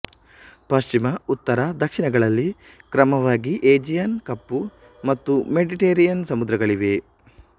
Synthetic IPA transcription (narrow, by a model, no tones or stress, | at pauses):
pɐʃt͡ʃimɐut̪ːɐɾɐd̪ɐkʂiɳɐɡɐɭɐlːikɾɐmɐʋaːɡiʔeːd͡ʒijɐnkɐpːu | mɐt̪ːumeɖiʈeːɾijɐnsɐmud̪ɾɐɡɐɭiʋe̞